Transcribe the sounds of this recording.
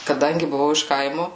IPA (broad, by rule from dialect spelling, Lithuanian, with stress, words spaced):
kɐˈdɐŋʲɡʲɪ bʊˈʋɐʊ ɪʃ ˈkɐɪmoː